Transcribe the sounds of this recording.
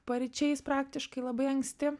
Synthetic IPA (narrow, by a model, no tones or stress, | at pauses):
pɐɾʲɪt͡ʃʲɛɪspɾɑːk̚t̪ʲɪʃkɐɪlˠɐbɐɪɐŋksʲt̪ʲɪ